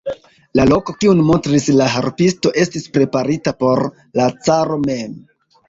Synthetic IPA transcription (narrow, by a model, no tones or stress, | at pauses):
lalo̞ko̞kiunmontɾislaɦaɾpisto̞ʔe̞stispɾe̞paɾitapo̞ɾ | lat͡saɾo̞me̞m